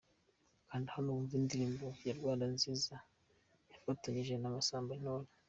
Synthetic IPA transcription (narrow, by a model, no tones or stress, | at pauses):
kaːndihanuuɱvindiɾiːmbojaɾɡwaːndanziːza | jafataɲiʒe̞namasaːmbanola